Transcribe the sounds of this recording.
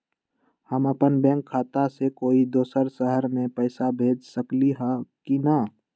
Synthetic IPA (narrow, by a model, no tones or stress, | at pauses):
həməpənbɛ̃ːŋkʰːaːt̪asekoːid̪oːsəɾsəɦəɾmẽpəːsabʱeːd͡ʒsəkliɦɛ̃kinə